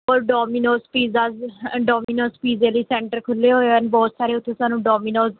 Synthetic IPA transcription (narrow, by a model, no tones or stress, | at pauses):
oːɾɖɔːmiːnoːspiːzaːzɖɔːmiːnoːspiːzeːləiːsɛːɳʈəɾkʰʊlːeːɦoːeənbɔːt̪saːɾeːʊt̪ʰːẽːsaːnũːɖɔːmiːnoːz